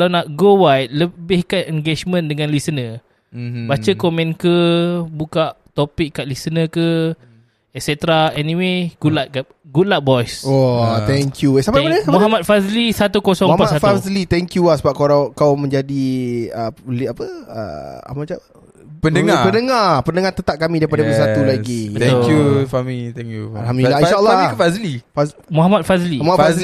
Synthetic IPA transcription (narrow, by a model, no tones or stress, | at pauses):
lanaʔɡowajt̪̚ləbɪhkanɛŋɡed͡ʒmə̃ndəŋãnlisənə | bat͡ʃəkomɛ̃nkəbukaʔt̪opɪkːaʔlisənəkə | ɛk̚sɛt̪ɾaɛnĩweɡ̥ulaʔ̚ka | ɡulaʔ̚bɔjsot̪ɛŋkjuesapaəmuɦamat̪̚faslisat̪ukosɔŋapasatfazlit̪ɛŋkjuahsəbap̚koɾakawmə̃ɲd͡ʒadiəliapəə̰a̰mat͡ʃa | pəndəŋapənəŋapənəŋat̪ət̪ap̚kamĩdaipadabəsat̪ulaɡibət̪okufamit̪ɛŋkjualɦamdulahinʃalːakəfazlifa | muɦamat̪̚fazlimafa